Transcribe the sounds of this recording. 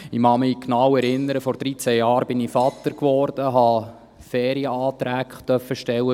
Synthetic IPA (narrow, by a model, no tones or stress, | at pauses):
ɪmɑmɪknɑwɛɾɪnːəɾəfɔɾd̥ɾiːt͡sæjɑːɾbɪnifɑt̪ːəɾkʋɔːɾd̥̪əɦɑ | fɛːɾiəɑːt̪ɾæːkt̪œfəʃtɛwːə